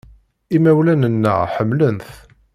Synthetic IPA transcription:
imæwlænənːə̰ʁħəmːlənθ

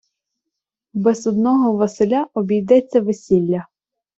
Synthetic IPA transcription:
bɛzɔd̪nɔɦɔʋɐselʲaʔɔbʲijd̪ɛt͡sʲːɐʋesʲilʲːɐ

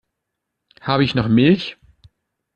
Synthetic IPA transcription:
haːbəɪçnɔχmɪlç

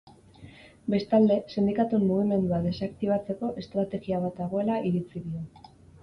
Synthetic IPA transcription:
be̞st̪ald̪e̞send̪ikat̪umːuɣ̞ime̞nd̪uaðe̞sakt̪iβ̞at͡se̞ko̞ʔe̞st̪ɾat̪e̞ɣiaβ̞at̪aɣ̞o̞e̞laiɾit͡siðio

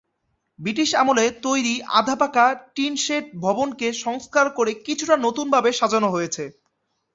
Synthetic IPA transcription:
bɾiʈ̬iʃamolet̪ojɾiʔa̰d̪ʱapakaʈinʃeʈ̚bʱɔbonkeʃɔŋskaɾkoɾekit͡ɕʰuʈanot̪unbʱabeʃad͡ʑonoɦojet͡ɕʰe

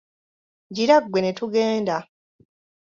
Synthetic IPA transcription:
ɟiɾaɡwe̞ne̞tuɡe̞ːnda

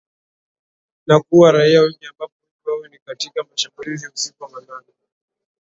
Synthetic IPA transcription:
nakuwaɾaiawɛɲambakuniwawɛnikatikamaʃambulizim̩sikuamananɛ

